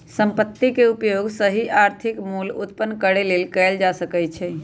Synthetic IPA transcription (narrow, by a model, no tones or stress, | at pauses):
səmpət̪ːikeupjoɡsəɦiʔaɾt̪ʰikmulut̪̚pənːkəɽelelkɛld͡ʒasəkɛt͡ʃʰɛ